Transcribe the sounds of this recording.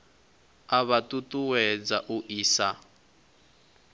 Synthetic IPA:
aβatutʼuwɛd͡zaʔuʔiːsa

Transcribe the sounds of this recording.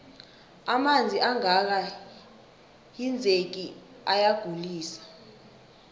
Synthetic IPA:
amand͡zʱiʔaŋak̬a | jind͡zʱek̬i | ajaɡ̥ʱuliːsḁ

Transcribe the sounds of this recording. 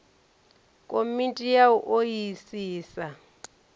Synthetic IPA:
kʼomintʼijauʔojisiːsa

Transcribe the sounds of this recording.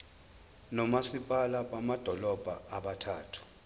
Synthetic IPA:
nɔmasipʼalaɓamad̥ʱɔlɔb̥ʱaaɓatʰaːtʰu̥

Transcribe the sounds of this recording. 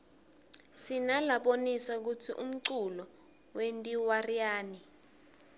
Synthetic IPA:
sinalaɓonisak̬utʰiʔṵm̩ǀulɔ | wentʼiwarijaːni

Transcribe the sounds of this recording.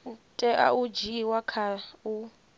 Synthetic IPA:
tʼɛʔa̰ud͡ʒiwakʰau

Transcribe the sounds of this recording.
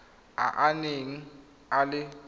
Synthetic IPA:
a̰ʔaneŋi | alɪ

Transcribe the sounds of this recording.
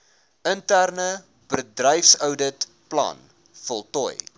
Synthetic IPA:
əntærnə | bədrɛjfsœwdət | plɐ̰n | fɔlˠtɔ̰j

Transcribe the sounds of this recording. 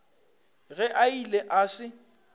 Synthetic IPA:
ɣɛʔaileʔaːsɪ

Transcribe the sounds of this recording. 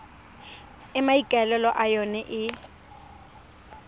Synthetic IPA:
ɪmaikʼɛlɛlɔʔajɔnɛʔɪ

